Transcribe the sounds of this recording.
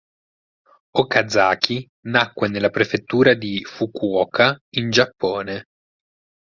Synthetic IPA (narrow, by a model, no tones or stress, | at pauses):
okad̪zaːkʰi | nakːwenelːapɾefet̪ːuːɾad̪ifukwɔːkʰaind͡ʒapːɔːne